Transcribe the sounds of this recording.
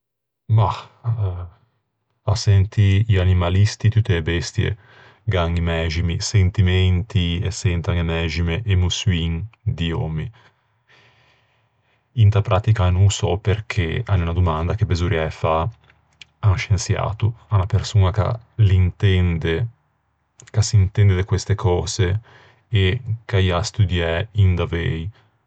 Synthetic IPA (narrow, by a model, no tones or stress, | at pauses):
ma | asɛnt̪ʰiianimalist̪it̪ut̪ːeːbɛst̪jḛ | ɡaŋimɛʒimisent̪iment̪iesːɛnt̪aŋemɛʒimeʔemusuiŋd̪iɔ̰ːmi | int̪apɾʔaːt̪ikanusɔperkʰḛanːunad̪omand̪akebezuɾjɛfa | anaʃensja̰ːt̪uanapersuːnaka̰ | lint̪ɛnd̪e | kasːint̪ɛnd̪ed̪ekwest̪ekʰɔːzeː | kajast̪ud̪jɛind̪avɛj